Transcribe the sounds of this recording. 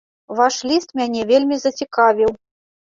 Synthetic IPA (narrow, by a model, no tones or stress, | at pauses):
vaʂlʲist̪mʲanʲɛvʲelʲmʲizɐt͡sʲikavʲiw